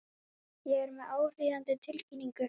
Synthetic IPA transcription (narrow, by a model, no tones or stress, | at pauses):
jɛɣɛɾmɛðaːwr̥iːðant̪ʏt̪ʰɪlciːniŋkʏ